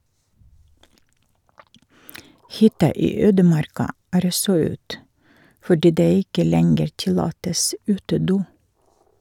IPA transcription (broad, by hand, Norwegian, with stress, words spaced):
ˈhʏtɑ ˈiː ˈøːdəˌmɑɾkɑ ˈæːɾ ˈɔsɔ ˈʉːt fɔˈɖiː ˈdeː ˈɪkə ˈlɛŋɡəɾ ˈtɪlɑːtəs ˈʉːtəˌduː